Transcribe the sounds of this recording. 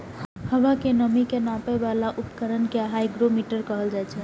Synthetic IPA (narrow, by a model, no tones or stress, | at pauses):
həʋakenəmikenapɛbalaʔupkəɾənkeɦajɡɾomiʈəɾkəɦəld͡ʒajt͡ʃʰɛ